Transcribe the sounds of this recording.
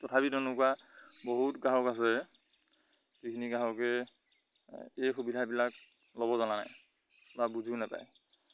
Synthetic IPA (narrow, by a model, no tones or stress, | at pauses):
tɔtʰabitɔnʊkwaboɦutɡaɦɔkas̬ɛ | zikʰiniɡaɦɔkɛ | ejxubidʱabilak | lɔbɔzanana̰j | babuzunɛpa̰j